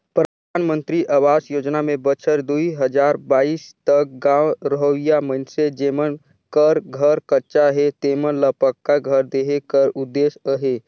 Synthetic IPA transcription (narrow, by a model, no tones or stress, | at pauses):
pɾəd̪ʱaːnmə̃nt̪ɾiʔawaːsjoːd͡ʒnamẽbət͡ʃʰəɾd̪uiɦəd͡ʒaːɾbaːiːst̪ək̚ɡãːwɾəɦojamə̃nsed͡ʒeːmən | kəɾɡʱəɾkətːʃaɦɛt̪eːmənləpəkːaɡʱəɾd̪eːɦekəɾʊd̪ːeːsəɦeː